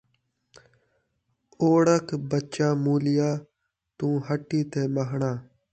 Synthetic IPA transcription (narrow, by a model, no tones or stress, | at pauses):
oːɽəkʰbətːt͡ʃaːmuːlɪjaː | t̪ũːɦəʈːiːt̪ʰeːməɦɳãː